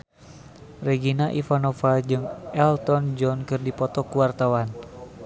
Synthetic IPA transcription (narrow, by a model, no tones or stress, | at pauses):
rɛɡinaʔifanɔfad͡ʒɨŋɛlt̪ɔnd͡ʒɔnkɨrdipɔt̪ɔkuwart̪awan